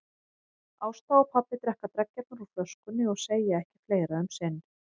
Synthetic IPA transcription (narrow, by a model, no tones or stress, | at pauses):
aːwst̪aɔpʰapːɪt̪ɾɛhkat̪ɾɛkcːat̪̚naɾuflœskʏnːɪɔɣseːjaɛhcɪ̥fleːjɾaʏmsɛn